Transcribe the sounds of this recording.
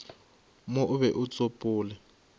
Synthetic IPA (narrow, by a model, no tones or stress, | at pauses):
mʊʔʊβɛʔʊt͡sʼopʼʊːlɛ